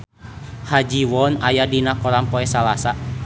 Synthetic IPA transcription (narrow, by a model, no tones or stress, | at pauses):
had͡ʒiwɔnajadinakɔɾampɔɛsalasa